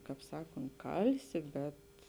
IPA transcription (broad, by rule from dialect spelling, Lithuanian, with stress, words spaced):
ˈkɑːp ˈsɑːkoːnt ˈkɐlʲsʲɪ ˈbʲɛt